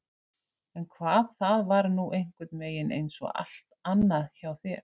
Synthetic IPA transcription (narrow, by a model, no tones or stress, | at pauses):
ɛnkʰvaːðθaðvaɾnuʔejŋ̥kvɪt̪meːjɪnḛjnsɔ̰ɣa̰l̥t̪anːaðçawθɪ